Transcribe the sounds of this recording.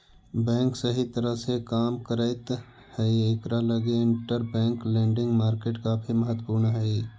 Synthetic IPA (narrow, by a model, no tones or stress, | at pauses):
bɛ̃ːŋksəɦit̪əɾəɦsekaːmkəɾəɪt̪ | həiekɾaləɡeɪɳʈəɾbɛ̃ːŋklẽːɳɖɪ̃ŋɡmaːɾkeːʈkaːpʰiməɦət̪ːəpuːɾɳɦəi